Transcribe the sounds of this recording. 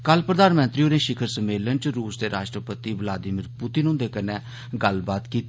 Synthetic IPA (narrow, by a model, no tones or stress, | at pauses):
kəlpɾəd̪aːnmə̃nt̪ɾiːõːnẽːʃɪkʰəɾsəmeːlənt͡ʃɾuːsd̪eːɾa̰ːʃʈɾəpət̪iːʋəlaːd̪ɪːmɪɾpʊt̪ɪnũːd̪eːkənẽː | ɡəlbaːt̪kiːt̪